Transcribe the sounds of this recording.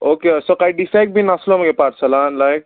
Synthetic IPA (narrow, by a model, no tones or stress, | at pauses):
okesɔkajɖisajk̚bʱinaslomɡepaʈsəlanlajk̚